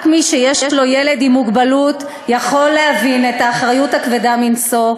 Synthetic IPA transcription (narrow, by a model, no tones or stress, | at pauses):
kmiʃejeʃʃlo̞jele̞dimːuɡbalut | jaχo̞lːehavine̞taːχʁajuthakvedaminso̞